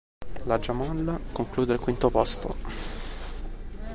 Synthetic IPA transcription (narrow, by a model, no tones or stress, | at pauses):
lad͡ʒamɔlːakoŋkluːd̪eilkwint̪opɔst̪o̰